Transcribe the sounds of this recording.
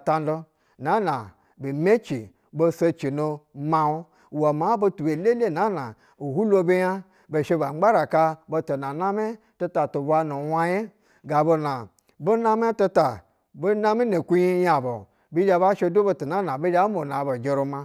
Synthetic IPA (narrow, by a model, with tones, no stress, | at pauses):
ta˧n˦do˧ | na˨˦na˨ | bi˨mʲe˦t͡ʃi˨ | bo˧se˧t͡ʃi˨no˧ma˧wo˦ | wo˨ma˨˦bo˧tu˨be˨le˦le˦˨na˨˦na˨ | o˨hu˦lo˧be˦ja˦ | bo˨ʃe˧ba˨ŋ͡mɡ͡ba˦ɾa˨ka˧bo˧to˨na˨na˦me˦ | to˧ta˨to˨bʷa˧no˨wa˦je˦ | ɡa˨bo˧na˨ | bo˦na˦me˦to˧ta˨ | bo˦na˦mi˦no˨kʷu˦ji˦ja˨bo˨ | bi˦d͡ʒa˧ba˦ʃe˧do˦bo˧to˨na˦na˨bo˦d͡ʒa˦mo˨na˨bo˨d͡ʒʲe˨ɾo˧ma˧